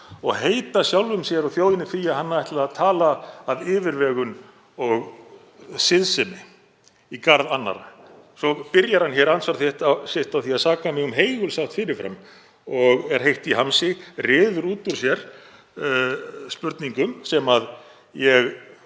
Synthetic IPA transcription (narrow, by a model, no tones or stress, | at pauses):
ɔɣɦeːjt̪asjawlvʏmsjɛɾɔθjoːwðɪnɪfɪjaɦanːaɛht̪lɪɾaðt̪ʰaːlaːðɪːvɪɾvɛːɣʏn | ɔɣ | sɪðsɪmɪ | ikaɾðanːa̰ɾa̰ | sɔpɪɾjaɾ̥hançɛɾansvaɾθjɛht̪asɪht̪awθiaðsaːkamɪɣʏmɦejɣʏlsawht̪fɪːɾɪɾ̥fɾa̰m | ɔɣɛɾ̥ɦejht̪iɦansɪrɪːðʏɾuːt̪ʏɾ̥sjɛɾ̥ | spʏɾt̪niŋkʏmsɛmað | jɛɣ